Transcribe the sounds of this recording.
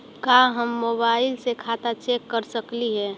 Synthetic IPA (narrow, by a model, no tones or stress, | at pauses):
kaɦəmːoːbaːɪlsekʰaːt̪at͡ʃeːkːəɾsəkliɦɛː